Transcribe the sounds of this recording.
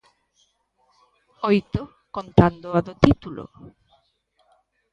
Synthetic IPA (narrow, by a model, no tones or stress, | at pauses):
ojt̪o | kont̪and̪oaðot̪it̪ulo̰